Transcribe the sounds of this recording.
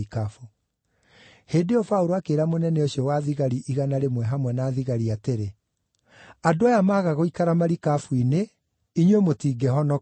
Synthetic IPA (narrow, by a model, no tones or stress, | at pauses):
ikafu | heːdeɔfauɾoakeːɾamonɛnɛoɕiɔwaðiɣaɾiʔiɣanaɾemwɛɦamwɛnaːðiɣaɾiateɾe | adoajamaːɣaɣoikaɾamaɾikafuine | iɲwemotiːɡɛhɔnɔ